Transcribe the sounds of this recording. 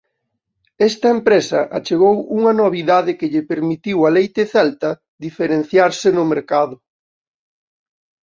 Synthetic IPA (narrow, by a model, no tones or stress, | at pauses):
ɛst̪ɐempɾesɐ̰ʔa̰t͡ʃeɣowuŋɐnoβ̞iðaðɪkɪʎɪpeɾmit̪iwalejt̪ɪθɛlt̪ɐ | ðifeɾen̟θjaɾsɪnʊmeɾkaðʊ